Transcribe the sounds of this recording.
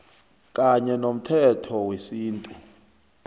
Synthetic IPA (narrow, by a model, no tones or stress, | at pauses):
kʼaɲɛnom̩tʰɛtʰɔwesiːntʼu